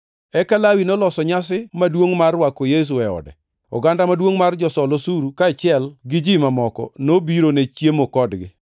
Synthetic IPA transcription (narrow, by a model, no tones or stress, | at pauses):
ɛkalawinolɔsɔɲas̬ɪmadwoŋmarwakojes̬uɛɔ̰dɛ̰ | ɔ̰ɡandamadwoŋmard͡ʒɔsɔlosuɾukaɛt͡ʃɪɛlɡɪd͡ʒimamɔkɔ̰nobiɾonet͡ʃjemokɔdɡɪ̰